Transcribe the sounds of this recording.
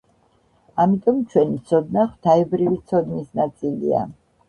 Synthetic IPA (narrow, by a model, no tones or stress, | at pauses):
amit̪ʼɔmt͡ʃʰwɛnit̪sʰɔd̪̚naχw̥t̪ʰaɛbɾivit̪sʰɔd̪nisnat̪sʼilḭa̰